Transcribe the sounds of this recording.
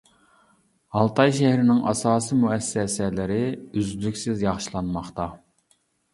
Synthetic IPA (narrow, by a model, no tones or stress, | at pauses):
hɑlˠt̪ʰɑjʃæhɾɪnɪŋʔɑ̰sɑːsimuɛsːɛsɛlɪɾɪyzlykʲsɪzjɑχʃilˠɑnmɑχt̪ɑ